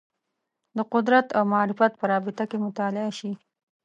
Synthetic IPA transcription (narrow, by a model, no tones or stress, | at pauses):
d̪əqʊd̪ɾat̪awmaɑɾɪfat̪̚pəɾɑbɪt̪akemʊt̪ɑlɪaʃi